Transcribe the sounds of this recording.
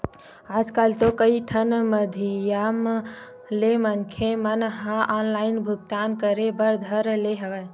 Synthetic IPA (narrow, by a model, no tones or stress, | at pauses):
aːd͡ʒkalt̪okəiʈʰənməd̪ʱijam | lemənkʰemənɦãʔɔːnlaɪnbʱʊɡt̪ankəɾebəɾd̪ʱəɾleɦəʋɛ